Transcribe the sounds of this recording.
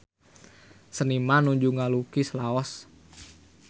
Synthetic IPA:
sənimanuɲd͡ʒuŋalukislaɔs

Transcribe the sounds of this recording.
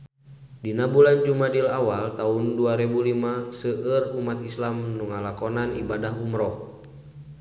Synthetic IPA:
dinabuland͡ʒumadilawalt̪aunduaɾɛbulimasəʔərumat̪islamnuŋalakɔnanḭbadaɦumɾɔ

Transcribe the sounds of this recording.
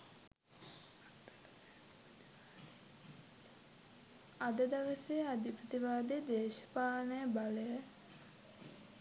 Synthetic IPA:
ad̪əd̪aʋəsejad̪ʱipɾət̪iʋaːd̪ed̪eːʃə̥paːnəjəbaləjə

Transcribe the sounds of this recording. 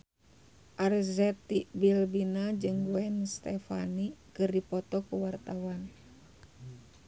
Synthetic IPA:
ʔarzɛt̪ibilbinad͡ʒɨŋwɛnst̪ɛfa̰nikɨrdipɔt̪ɔkuwart̪awan

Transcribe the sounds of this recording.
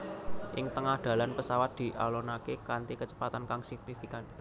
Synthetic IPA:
ʔɪŋt̪əŋahd̪̥ä̤lanpəsawat̪̚d̪̥i̤ʔa̰lonakekant̪ikət͡ʃə̥pat̪ankaŋsɪk̚nifikan

